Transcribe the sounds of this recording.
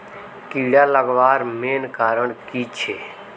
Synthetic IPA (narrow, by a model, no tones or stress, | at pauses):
kiːɽaːləɡʋaːɾmeːnkaːɾəɳkiːt͡ʃʰeː